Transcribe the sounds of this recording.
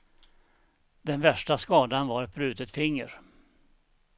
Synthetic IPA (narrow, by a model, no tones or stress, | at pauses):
d̪ɛnvæʂʈaskɑːd̪anvaɾɛt̪̚bɾʉ̟ːt̪ət̪fɪŋːə̰ɾ